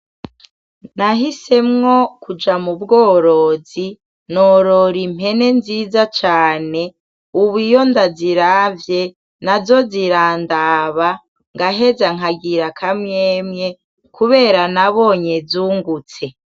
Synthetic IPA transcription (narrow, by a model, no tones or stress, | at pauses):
naɦise̞mŋo̞kud͡ʒamubɡo̞ːɾo̞ːzi | noɾo̞ɾim̥e̞ne̞nziːzat͡ʃaːne̞ | uβijo̞ndaziɾaːvje̞ | nazo̞ziɾaːndaːβa | ŋɡaɦe̞zaŋ̥aɡiɾakʰamɲeːmɲe̞ | kʰuβe̞ːɾanaβo̞ːɲe̞zuːŋɡut͡se̞